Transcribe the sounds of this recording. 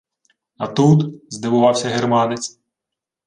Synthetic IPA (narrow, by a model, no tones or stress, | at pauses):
ɐt̪ut̪zd̪ɪʋʊʋɑwsʲɐɦermɑnet͡sʲ